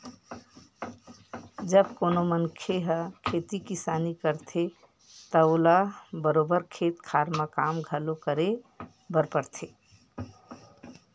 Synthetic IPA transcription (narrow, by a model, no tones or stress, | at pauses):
d͡ʒəbkonomənkʰeɦəkʰet̪ikisanikəɾt̪ʰe | t̪əolabəɾobəɾkʰet̪kʰaɾmakamɡʱəlokəɾe | bʱəɾpəɾt̪ʰe